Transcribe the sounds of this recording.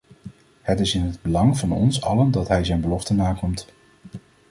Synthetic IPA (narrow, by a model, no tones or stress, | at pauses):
hətɪsɪnɦəd̚bəlɑŋvɑnɔ̰nsɑləndɑtɦɛjzɛjnbəlɔftənaːkɔmt